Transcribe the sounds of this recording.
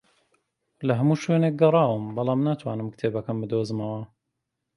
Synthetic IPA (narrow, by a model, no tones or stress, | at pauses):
lɐɦɐmuːʃweːneːk̚ɡɐrˤɑːwəmbɑlˠɑːmnaːt̪ʰwa̰ːnɨmkt̪ʰeːbɐkɐnbɨd̪ozmɐwɐ